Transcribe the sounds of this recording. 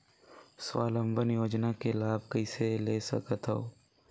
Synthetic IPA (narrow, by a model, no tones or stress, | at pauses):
swa̰ːlə̃mbənjoːd͡ʒnakelaːbkəɪseleːsə̰kət̪ɦoː